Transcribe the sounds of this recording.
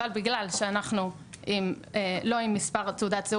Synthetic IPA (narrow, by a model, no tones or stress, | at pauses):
albiɡlalʃeanaχnu | ʔim | elo̞imːispaʁteud̪at̪ze